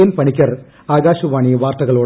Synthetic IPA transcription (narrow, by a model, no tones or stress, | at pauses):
ɐnpɐɳikʲːɐr | aːɡaːɕuʋaːɳiʋaːrt̪ɐɣɐɭoːɽ